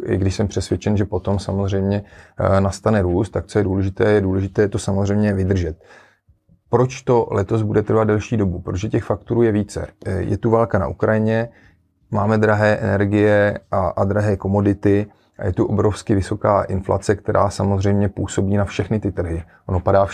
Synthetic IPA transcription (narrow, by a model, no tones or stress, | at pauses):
ɪ̰ɡdɪʃsɛmpr̥ɛsvjɛt͡ʃɛnʒɛpo̞t̪o̞msamozrɛjmɲɛnast̪anɛɾuːst̪ːak̚t͡sojɛduːlɛʒɪt̪ɛːjɛduːlɛʒɪt̪ɛːjɛt̪o̞samozr̝ɛjmɲɛvɪd̪r̩ʒɛt̪̚ | pɾo̞t͡ʃt̪o̞lɛt̪o̞zbudɛt̪r̩vad̪dɛlʃiːdo̞bupɾoʒɛcɛxfak̚t̪oɾuːjɛviːt͡sɛ̰jɛ̰t̪uvaːlkana̰ʔukɾajɪɲɛ | maːmɛd̪ɾaɦɛːʔɛ̰nɛɾɡɪjɛʔaʔad̪ɾaɦɛːko̞mo̞dɪt̪ɪ | ʔa̰jɛt̪uʔobɾofskɪvɪso̞kaːʔɪnfla̰t͡sɛkt̪ɛɾʔa̰ːsamo̞zr̝ɛjmɲɛpuːso̞biːnafʃɛxnɪt̪ɪt̪r̩ɦɪ | ʔonopadaː